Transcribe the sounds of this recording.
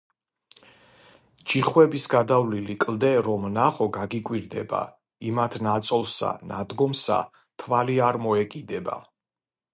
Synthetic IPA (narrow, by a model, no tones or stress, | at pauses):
d͡ʒiχwɛbisɡad̪avlilikʼlˠd̪ɛɾɔmnaχɔɡaɡikʼwiɾd̪ɛ̰ba̰ | imat̪ʰnat̪sʼɔlˠsa̰nad̪ɡɔmsa̰ | t̪ʰvaliaɾmɔɛkʼid̪ɛba̰